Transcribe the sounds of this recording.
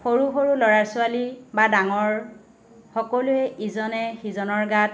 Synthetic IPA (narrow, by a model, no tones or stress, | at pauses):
xoɹuɦoɹulɔɹaɹsʊalibadaŋɔɹ | xɔkɔlʊɛʔizɔnɛxizɔnɔɹɡat̚